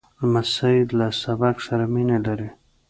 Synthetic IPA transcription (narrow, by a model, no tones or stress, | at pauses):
lmasaid̪lasabaksaɾaminelaɾi